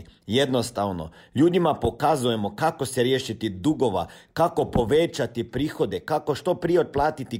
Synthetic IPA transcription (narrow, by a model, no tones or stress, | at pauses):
jed̪no̞st̪aʋno̰ʎuːd̪imapo̞kazuje̞mo̞kako̞seɾjeːʃit̪id̪uɡo̞ʋa̰kako̞po̞ʋet͡ʃat̪ipɾiːxo̞d̪e̞kako̞ʃt̪o̞pɾijeod̪̚plˠaːt̪it̪i